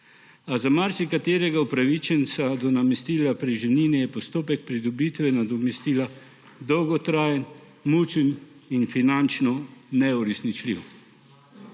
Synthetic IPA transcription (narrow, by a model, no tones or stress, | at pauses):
azamaɾsikat̪eːɾɛɡaupɾaʋit͡ʃɛnsad̪ɔnamɛst̪iːlapɾiʒɛwniːnɛjɛpɔst̪oːpɛk̚pɾid̪ɔbit̪ʋɛnad̪ɔmɛst̪iːla | d̪ɔwɡɔt̪ɾaːjɛn | mut͡ʃəninfinant͡ʃnɔnɛuɾɛsnit͡ʃlḭw